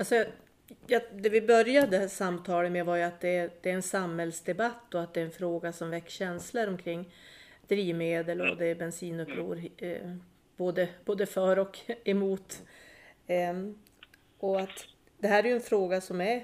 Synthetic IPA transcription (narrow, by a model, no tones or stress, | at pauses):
alsɔɑ | jɑd̪ɛvɪbœɾjad̪əsamːt̪ʰɑːləmɛvaɾjɵat̪̚d̪ɛd̪̥ɛːɾɛnsamhɛlsd̪ɛbat̪ːɔat̪̚d̪ɛɾɛnfɾoːɡasɔmvɛkːɕɛnsləɾɔmkʰɾɪŋː | d̪̥ɾiːvmeːd̪əlɔ̰d̪ɛbɛnsiːnɵpʰːɾṵːɾ | b̥oːd̪əboːd̪əfœɾɔkɛmuːt̪ | ɔat̪ | d̪̥ɛɦæːɾɛjɵɛnfɾoːɡasɔmæɾ